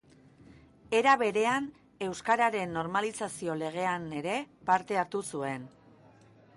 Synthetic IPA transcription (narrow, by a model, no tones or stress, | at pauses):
e̞ɾaβ̞e̞ɾe̞an | e̞wskaɾaɾe̞nːo̞ɾmalisasio̞le̞ɣ̞e̞ane̞ɾe̞paɾt̪e̞aɾt̪usue̞n